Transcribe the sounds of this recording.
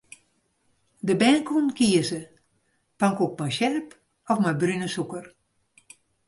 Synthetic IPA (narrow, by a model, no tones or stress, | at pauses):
dəbɛːnkunkiəsə | paŋkok̚majʃɛlp | ɔfmajbrynəsukər